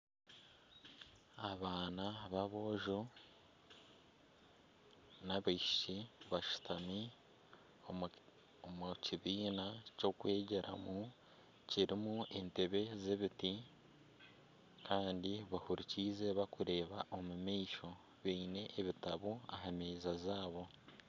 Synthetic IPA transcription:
aβaːnaβaβo̞ːʒo | naβiiʃi̥ʃiβaʃu̥tʰami | omuciβiːnaco̞kwe̞ːɟe̞ɾʔa̰mu | ciɾimuente̞βe̞ze̞βiti | kʰaːndiβahuɾiciːze̞βakuɾe̞ːβaʔomumiːʃo̞ | βiːne̞ʔːβitaβuaɦameːzazaːβo̞

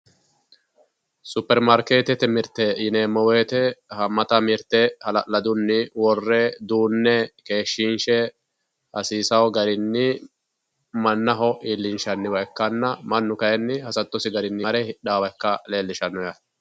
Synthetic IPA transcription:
sʊpːɛɾmɐɾkeːt̪ɛt̪ɛmɪɾt̪ːɛjɪneːmɔweːt̪ɛhɐmːɐt̪ɐmɪɾt̪ɛhɐlɐʔlɐd̪ʊnːɪwɔrːɛd̪uːnːɛke̞ːʃːinʃɛ | hɐsiːsɐwɔɡɐɾɪnːɪ | mɐnːɐɦɔʔiːlːɪnʃɐnːɪwɐjkːɐnːɐmɐnːʊkɐjɛnːɪhɐsɐt̪ːɔsɪɡɐɾɪnːɪɾɛhɪɗaːwɐkːɐle̞ːlːɪʃɐnːɔjɐ

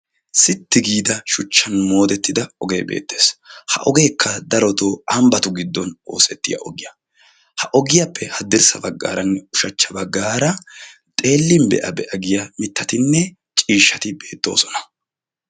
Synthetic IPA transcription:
sɪt̪ːɪɡiːd̪ɐʃʊt͡ʃːɐnmo̞ːd̪ɛt̪ːɪd̪ɐɔɡe̞ːbḛːt̪ːe̞ːshɐ̰ʔɔɡe̞ːkʰːɐd̪ɐɾɔt̪oːɐmbɐt̪ʊɡɪd̪ːɔno̞ːsɛt̪ːɪjɐ̰ʔɔɡɪjɐ | hɐʔɔɡɪjɐpːɛhɐd̪ɪɾsɐbɐɡːa̰ːɾɐnːɛʊʃɐt͡ʃːɐbɐɡːaːɾɐ | t̪ʼe̞ːlːɪmbɛ̰ʔɐbɛʔɐɡɪjɐmɪt̪ːɐt̪ɪnːɛ | t͡ʃʼiːʃːɐt̪ɪbe̞ːt̪ːo̞̰ːsɔnɐ̥

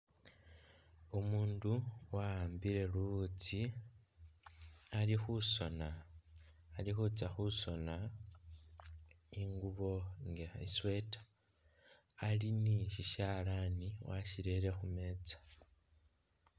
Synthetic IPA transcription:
omuːnduwaaːmbiɾe̞lut͡si | alixuso̞naː | lixut͡saxuso̞na | iŋɡuβo̞ŋɡea̰iswe̞ːtḁ | liniʃiʃalaniwaʃiɾeɾe̞xume̞ːt͡sḁ

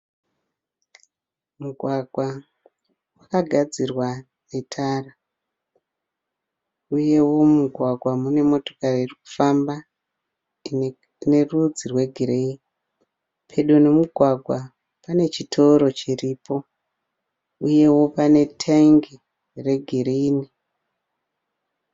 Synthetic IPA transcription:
muɡʱwaɡʱwa | wakaɡʱad͡zirwa | ne̞tʰaːra | uje̞wo̞muɡʱwaɡʱwamune̞mo̞to̞̥kaririku̥famba | ne̞rud͡zirwe̞ɡʱiɾei | pʰe̞ɗone̞muɡʱwaɡʱwa | pane̞t͡ʃitʰo̞ɾo̞t͡ʃiriːpo̞ | uje̞wo̞pane̞tʰeŋɡe | re̞ɡʱiɾini

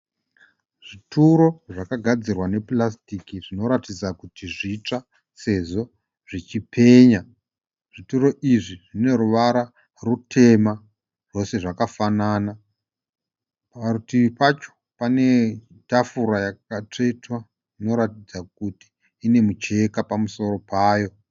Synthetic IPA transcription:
ʐ̥ituɾo̞ʐakaɡʱad͡zirwane̞plastikiʐino̞ɾatid͡zakutiʐit͡ʂa | se̞ʐo̞ | ʐ̥it͡ʃipʰe̞ːɲa | ʐ̥ituɾo̞ʔiʐiʐine̞ɾuʋaɾa | rutʰe̞ma | ʐo̞se̞ʐakafanaːna | parutiipat͡ʃo̥ | pane̞ | tafuɾajakatoitwa | ʐino̞ɾatid͡zak̚uti̥ː | ne̞mut͡ʃe̞kapamuso̞ɾo̞paːjo̞

